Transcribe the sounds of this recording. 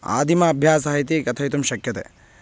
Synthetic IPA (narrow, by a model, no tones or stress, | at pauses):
a̰ːd̪ʱimɐːbʱjaːsaːit̪ikɐt̪ʰɐjt̪umʃɐkjɐt̪ḛː